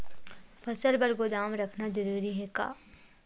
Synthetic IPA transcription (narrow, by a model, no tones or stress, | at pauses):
fɐsəlbɐɾɡod̪aːmɾɐkʰnazɐɾuːɾiɦɛka̰ː